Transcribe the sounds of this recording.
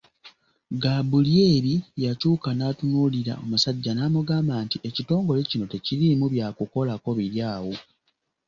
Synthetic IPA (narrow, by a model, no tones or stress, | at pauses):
ɡaːbulje̞ːβijacuːkanaːtunuliɾa̰o̞musaɟːanaːmuɡaːmbaːntiʔecito̞ːŋɡo̞le̞cino̞te̞cilimuβjaːkuko̞lako̞βiɾjaːwo̞